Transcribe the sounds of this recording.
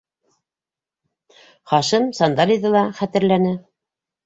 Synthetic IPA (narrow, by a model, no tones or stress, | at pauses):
χɑʃɤmsɑnd̪ɑlʲiðɤlˠɑχæt̪ɘ̆ɾlænɘ